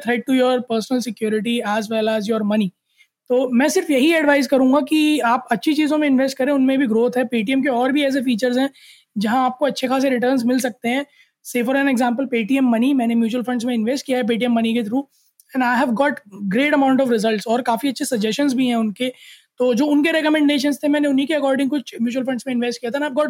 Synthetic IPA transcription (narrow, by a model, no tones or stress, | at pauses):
t̪ʰɾɛɪʈ̚ʈujɔːɾpəːɾsnəlsɪkjoːɾɪʈ̬iɛːzʋɛlɛːzjɔːɾmɐni | t̪oːmɛ̃ːsɪɾfjɐɦiɛɖʋaːɪzkɐɾũːŋɡakiaːpɐtːʃʰit͡ʃiːzõmẽɪ̃nʋesʈ̚kɐɾẽʊnmẽbʱiɡɾoːt̪ʰɦɛpeːʈ̬iɛmkeɔːɾbʱiɛːs̬efiːt͡ʃəɾzɦɛ̃ː | d͡ʒɐɦãaːp̚koɐtːʃʰekaːs̬eɾɪʈ̬əɾnzmɪlsɐk̚t̪eɦɛ̃ː | seːfəɾɛ̃nɛɡzãːmpəlpeːʈiːɛmːɐnimɛ̃ːnemjuːt͡ʃuəlfɐ̃ɳɖsmẽɪ̃nʋesʈ̚kijaɦɛp̬iːʈ̬iɛmːɐnik̬et̪ʰɾũː | ɛ̃ːɳaːɪɦɛʋɡɔːʈɡɾeːʈɐmãʊ̃ɳʈɔʋɾɪzəlʈsɔːɾkaːfiɐtːʃʰesɐd͡ʒɛsʃənzbʱiɦɛ̃ʊnket̪oːd͡ʒoːʊnkeɾɛkəmɛ̃ɳɖeːʃ̬ə̃nst̪ʰemɛ̃ːneʊnɦikeɐkɔːɾɖɪ̃ŋkot͡ʃmjuːt͡ʃuəlfɐ̃ɳɖsmẽɪ̃nʋeːsʈkijat̪aɛnaɛʋɡɔːʈ